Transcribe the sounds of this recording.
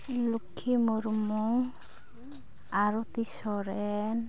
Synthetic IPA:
lukʰːimoɾmɔŋ | aɾɔt̪isɔɾɛn

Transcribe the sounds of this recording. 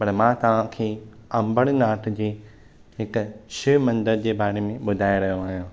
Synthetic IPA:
pɐɽ̃mãːt̪ɐʋ̤ãkʰeː | ɐ̃mbəɽ̃naːʈd͡ʑeː | ɦɪkʃɪʋmɐ̃nd̪əɾd͡ʑeːbaːɽ̃emẽɓʊd̪ʱaːeɾɐɦjoaːɦjõː

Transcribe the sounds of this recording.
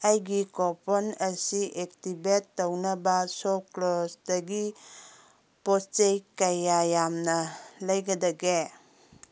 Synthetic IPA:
ɐjɡikɔpʰɔnɐsiʔek̚tibetːownɐbɐsɔklɔsdɐɡi | pɔst͡ʃejkajajamnɐlɐjɡɐdɐɡe

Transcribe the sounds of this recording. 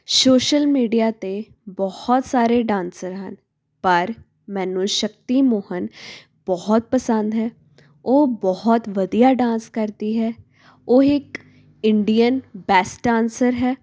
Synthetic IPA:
soːʃəlmiːɖijaːt̪e | bɔhɔt̪saːɾeːɖãːnsəɾɦən | pəɾ | mɛ̃ːnũːʃək̚t̪iːmʊɦən | b̥ɔɦɔt̪̚pəsə̃nd̪ɦɛː | oːbɔhɔt̪ʋəd̪ijaːɖãːnskəɾd̪iːɦɛː | oːɪk | ɪɳɖijənbɛːsʈãːnsəɾɦɛː

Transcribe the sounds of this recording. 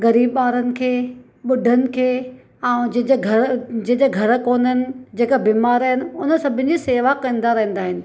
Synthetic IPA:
ɣɐɾiːbɓaːɾənɪ̆kʰeː | ɓʊɖʱənɪ̆kʰeː | ɛ̃ːd͡ʑ̃d͡ʑeɡʱɐd͡ʑ̃ɦɲd͡ʑeɡʱɐɾkoːnənɪ̆d͡ʑeːkabiːmaːɾaɦɪnɪ̆ʊnəsɐbʱɪn̆d͡ʑiseːʋakɐ̃nd̪aɾɐɦə̃nd̪aːɦɪnɪ̆

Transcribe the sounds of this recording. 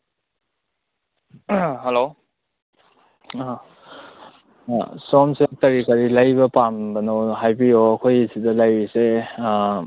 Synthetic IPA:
helo | sɔmsetɐɾikaɾilajbɐpambɐnowɦajbijoɐkʰojsidɐlajɾise

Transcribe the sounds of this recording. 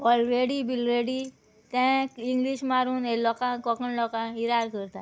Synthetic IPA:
ɔːɾɾeːɖibilɾeːɽi | t̪ɛ̃kĩŋɡliʃmaːɾunelɔkãkɔːkənlɔːkãiɾaːɾkəɾt̪a

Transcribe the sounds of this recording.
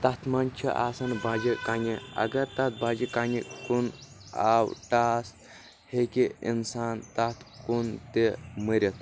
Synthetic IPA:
t̪ɐt̪ʰmɐnt͡ʃʰiʔa̰ːsɐnbaːd͡ʒikaːnʲiɐ̰ɡɐɾt̪ɐt̪̚baːd͡ʒikaːnikun | aːwʈaːst̪ | hekiḭnsaːnt̪ɐt̪ʰkunt̪eməɾʲɐt̪

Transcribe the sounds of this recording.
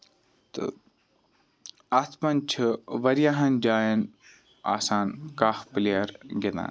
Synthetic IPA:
t̪ɨ̰ | ɐt̪ʰpɐnt͡ʃʰɨʋɐɾjaɦɐnd͡ʒaːjɐn | a̰ːsaːnkaːfpliɐɾɡet̪a̰ːn

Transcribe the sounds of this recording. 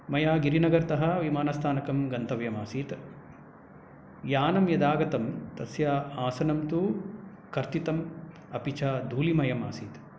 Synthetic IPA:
mɐjaːɡiɾinɐɡɐɾt̪ɐɦɐʋimaːnɐst̪ʰaːnɐkɐmɡɐnt̪ɐʋjɐmaːsiːt̪ | jaːnɐmjɐd̪aːɡɐt̪ɐmt̪ɐsjaːaːsɐnɐmt̪u | kɐɾt̪it̪ɐm | ɐpit͡ʃaːd̪ʱuːlimɐjɐma̰ːsiːt̪

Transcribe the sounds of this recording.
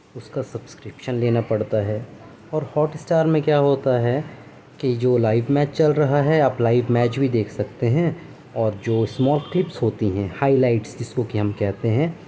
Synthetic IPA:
ʊskasɐbskɾɪpʃənleːnapɐɽt̪aɦɛː | ɔːɾhɔːʈɪsʈaːɾmẽkjaːɦoːt̪aɦɛ | kid͡ʒoːlaːɪʋmɛːt͡ʃt͡ʃɐlɾɐɦaɦɛaːplaːɪʋmɛːt͡ʃbʱid̪eːkʰsɐkt̪eɦɛ̃ | ɔːɾd͡ʒoːsmɔːlklɪpsɦoːt̪iɦɛ̃ːhaːilaːɪʈsd͡ʒɪskokiɦɐmkɛɦt̪eɦɛ̃ː

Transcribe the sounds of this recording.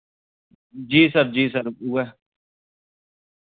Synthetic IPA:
d͡ʒiːsəɾd͡ʒiːsəɾuːɛː

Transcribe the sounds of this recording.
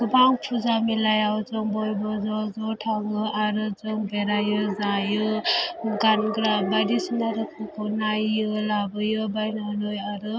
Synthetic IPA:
ɡɯbaŋpʰuzamilajawd͡ʒɔŋbɔjbɔzɔzɔʈʰaŋɯʔaɾɯd͡ʒɔŋbeɾajɯzajɯ | ɡanɡɾabadisnaɾɯkʰakʰɔnajɯlabɯjɯbajnanɔjaɾɯ

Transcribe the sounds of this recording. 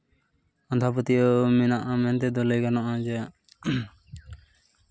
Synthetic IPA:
ɔnd̪ʱapɔt̪iɔminaʔamɛnt̪ɛd̪ɔləjɡanaʔad͡ʒɛaʔ

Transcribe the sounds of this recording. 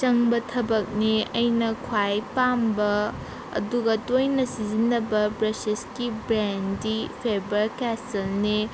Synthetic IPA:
t͡ʃɐŋbɐtʰɐbɐk̚niɐjnɐkʰwajpambɐ | ɐ̰duɡɐtojnɐsizinːɐbɐpɾɐsiskibɾendipʰebɐɾkɛsɐlni

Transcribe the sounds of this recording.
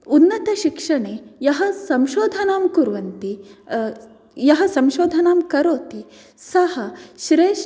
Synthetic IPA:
unːɐt̪ɐʃikʂɐɳeːjɐɦɐsɐmʃoːd̪ʱɐnaːmkuɾʋɐnt̪i | jɐɦɐsɐmʃoːd̪ʱɐnaːmkɐɾoːt̪i | sɐhɐʃɾeːʃ

